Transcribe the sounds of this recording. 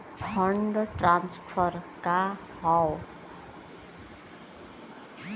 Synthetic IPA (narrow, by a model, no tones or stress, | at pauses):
pʰʌɳɖʈranspʰʌrka | hʌw